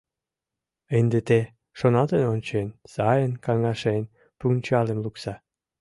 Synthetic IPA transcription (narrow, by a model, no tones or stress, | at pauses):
end̪et̪e | ʃonɑt̪enonʲt͡ɕensɑjənkɑŋɑʃen | punt͡ɕɑlemluksɑ